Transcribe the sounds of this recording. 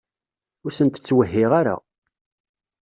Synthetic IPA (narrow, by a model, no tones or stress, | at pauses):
ʊɾsənt̪ə̥t͡sːwəɦːɪʁaɾa̰